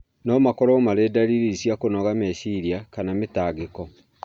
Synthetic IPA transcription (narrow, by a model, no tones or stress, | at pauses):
nɔmakɔɾɔmaɾedaɾiɾisjakonɔɣamesiɾiakanametaːɣekɔ